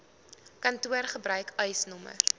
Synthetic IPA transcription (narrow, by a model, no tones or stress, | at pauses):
kɐntuərχəbɾœɥkœjsnɔmə̰r